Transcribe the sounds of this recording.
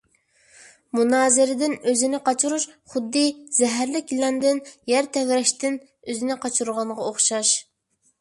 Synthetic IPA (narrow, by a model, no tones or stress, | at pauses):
munɑːzɪɾɪd̪ɪnøzɪnɪqɑt͡ʃʰuɾuʃχʊd̪ːɨzɛɦæɾlɪkʲilɛnd̪ɪnjɛɾt̪ʰɛwɾɛʃt̪ɪn | øzɪnɪqʰɑt͡ʃʰuɾʁɑnʁɑoχʃɑʃ